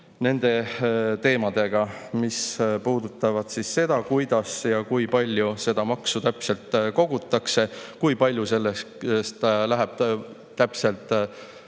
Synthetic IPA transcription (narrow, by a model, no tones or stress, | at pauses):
ne̞nd̪̥e̞t̪e̞ːmɑd̪̥e̞ɡ̥ɑmispuːd̪̥ut̪ːˑɑvɑd̪̥sisːe̞d̪̥ɑkujd̪̥ɑsjɑkujpɑlʲjuse̞d̪̥ɑmɑksut̪æpse̞lt̪ˑko̞ɡ̥ut̪ːˑɑkse̞kujpɑlʲjuse̞lːe | st̪læɦæb̥̚ | t̪æpse̞lt̪ˑ